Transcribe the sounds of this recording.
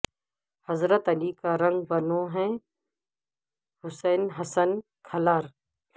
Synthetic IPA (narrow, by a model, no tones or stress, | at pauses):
hɐzɾət̪ɐlikaɾɐ̃ŋɡ̚bɐnõːɦɛ̃ | hʊsɛːnɦɐsən | kʰɐlaːɾ